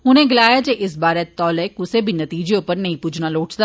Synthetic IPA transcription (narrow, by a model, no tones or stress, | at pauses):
ɦʊnẽɡɪlaːjad͡ʒeːʔɪsbaːɾet̪ɔːlekʊsebʱinɐt̪iːd͡ʒeʊpəɾnɐɦĩpuːd͡ʒnaloːʈd̪a